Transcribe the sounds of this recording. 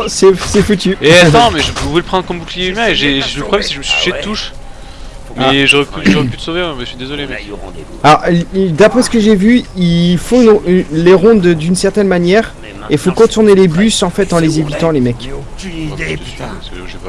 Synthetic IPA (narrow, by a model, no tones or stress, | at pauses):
sɛsɛfut̪yeat̪ɑ̃mɛʒəpuveləpχɑ̃d̪ʁəkɔmbuklijeymɛ̃eʒeʒləpχɔblɛmsɛ̥ʒəməsit̪u̥ʃed̪ət̪uʃ | mɛʒoʁɛpyʒoʁɛppyt̪ə̥soveɛ̃mɛʃɥid̪ezɔlemɛk | alɔʁd̪apχɛsə̥kəʒevyilfɔ̃ynleʁɔ̃d̪d̪ynsɛʁt̪ɛnmanjɛːʁ | efõkɔ̃t̪uʁnelebysɑ̃fɛt̪ɑ̃lezevit̪ɑ̃lemɛk | d̪e | a